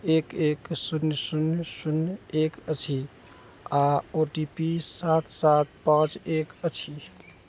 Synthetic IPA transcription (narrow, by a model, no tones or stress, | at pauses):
eːkeksunsunsunekət͡ʃʰi | aoʈipisat̪ʰsat̪̚pãːt͡ʃekət͡ʃʰi